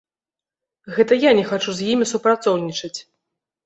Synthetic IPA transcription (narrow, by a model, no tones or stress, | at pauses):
ɣɛt̪ɐjanʲɛxat͡ʂuzʲjimʲisupɾat̪sɔwnʲit͡ʂɐt͡sʲ